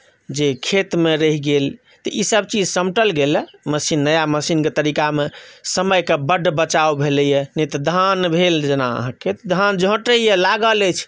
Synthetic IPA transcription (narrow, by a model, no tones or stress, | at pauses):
d͡ʒekʰet̪meɾəɦiɡel | t̪ɔʔisəbt͡ʃid͡ʒsəmʈəlɡelməsinːəjaməsinket̪əɾikamesəməjkebəɖʱbət͡ʃaobʱeljɛnit̪d̪ʱanbʱeld͡ʒena̰ə̰ɦãkʰet̪d̪ʱand͡ʒʱõʈəijɛlaɡələt͡ʃʰ